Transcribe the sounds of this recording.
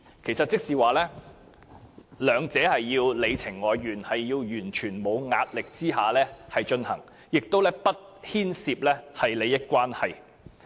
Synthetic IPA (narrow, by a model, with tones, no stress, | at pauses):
kʰe˨˩jsɐ˨t̚t͡sɪ˥k̚siː˨waː˨lɛː˥ | lœː˨˧ŋt͡sɛː˨˥hɐ˨jːiː˧wle˨˧jt͡sʰɪ˨˩ŋːɔː˨˧jɥyː˨˩nhɐ˨jːiː˧wjyː˨˩nt͡ʃʰyː˨˩nmo˨˧wŋaː˧t̚lɪ˨k̚t͡siː˥ɦaː˨lɛː˥hɐ˨jt͡ʃɵ˧nhɐ̰˨˩ŋ | jɪ˨k̚t̪o˥wlɛː˥pɐ˥t̚hiː˥nsiː˧p̚lɛː˥hɐ˨jle˨˧jːɐ˥t̚kʷwaː˥nhɐ˨j